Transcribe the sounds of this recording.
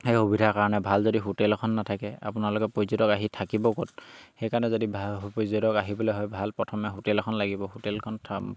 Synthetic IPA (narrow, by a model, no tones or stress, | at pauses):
hejhobʱidʱakaɹɔnɛbʱalzodiɦotɛlkʰɔnːatʰakɛa̰pʊnaɹlɔkɛpojzodɔkaɦitʰakibɔkot̚xejkaɹɔnɛzodibʱpojzodɔkaɦibɔlɔɦɔjbʱalpɹɔtʰɔmɛɦotɛlkʰɔnlaɡibɔhotɛlkʰɔntʰ